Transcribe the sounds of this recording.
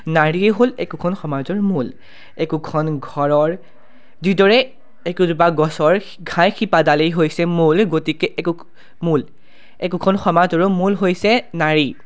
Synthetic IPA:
naɹiɛɦolɛkukʰɔnxɔmazɔɹmul | ɛkukʰɔnɡʱɔɹɔɹ | didɔɹɛ | ekuzubaɡɔsɔɹ | ɡʱãjxipadalejɦojsɛmulɡotikɛʔɛku | mul | ɛkukʰɔnxɔmazɔɹɔmulɦojsɛnaɹi

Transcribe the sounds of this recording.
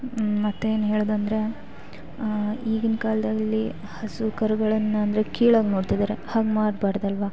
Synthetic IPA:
mɐt̪ːeeːnuɦeːɭːd̪uɐnd̪ɐɾe̞ | iːɡinkaːlɐd̪ɐlːi | hɐsukɐɾuɡɐɭɐnːɐɐnd̪ɐɾekiːɭaːɡnoːɽt̪id̪aːɾehaːɡmaːɖbaːɽd̪ɐlʋa

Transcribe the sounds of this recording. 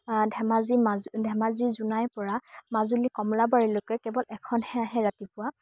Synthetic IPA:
dʱɛmazimazdʱɛmaziɹzunajpɔɹamazulikɔmlabaɹilojkɛkɛbɔlɛkʰɔnhɛaɦɛɹatipʊwa

